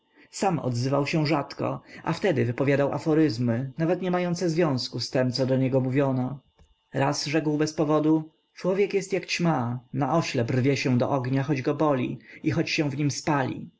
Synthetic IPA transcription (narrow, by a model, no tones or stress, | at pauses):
samɔ̰d̪zɘvawɕɛ̃ʐat̪kɔ̰ʔa̰ft̪ɛd̪ɘvɘpɔvʲjad̪awʔa̰fɔɾɘzmɘnavɛt̪ɲɛmajɔnt̪sɛzvʲjɔ̃w̃skust̪ɛmt̪sɔd̪ɔɲɛɡɔmuvʲjɔnɔ | ɾasʐɛkwbɛspɔvɔd̪u | t͡ʂwɔvʲjɛkjɛst̪jakt͡ɕmanaʔɔɕlɛprvʲjɛɕɛ̃d̪ɔ̰ʔɔɡɲaxɔd͡ʑɡɔbɔlʲḭixɔt͡ɕɕɛ̃w̃vɲimspalʲḭ